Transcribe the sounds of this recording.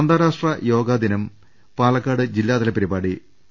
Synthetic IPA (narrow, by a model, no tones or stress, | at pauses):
ɐnd̪aːɾaːʂʈrɐjo̞ːɡaːd̪inɐm | paːlɐkːaːɽɨd͡ʑilːaːd̪ɐlɐpːɐɾibaːɽi